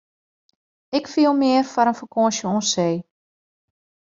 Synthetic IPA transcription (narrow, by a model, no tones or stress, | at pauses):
ɪkfiəlˠmɪərfɔɾənfəkʰõəʃjəõːnseː